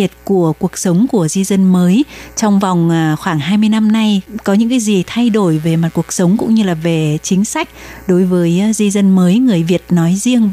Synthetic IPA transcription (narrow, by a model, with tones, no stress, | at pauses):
i˨˩ət̚ku˧˩əku˨˩ək̚sə˨˦wŋ͡mku˧˩əzi˧zə˧nməː˨˦jt͡ɕɔ˧wŋ͡mva˨˩wŋ͡mʔːxwaː˧˩ŋɦaː˧jmɨ˧əjna˧mna˧jkɔ˨˦ɲɨ̰˧˥ŋkaː˨˦jzi˨˩t̪ʰa˧jɗo˧˩jve˨˩maː˨˩t̚ku˨˩ək̚sə˨˦wŋ͡mkʊ̰˧˥ŋ͡mɲɨ˧laː˨˩ve˨˩t͡ɕï˨˦ŋ̟sa˦˥jk̟̚ɗo˨˦jvəː˨˦jzi˧zə˧nməː˨˦jŋɨ˨˩əjvi˨˩ət̚nɔ˨˦jzi˧əŋ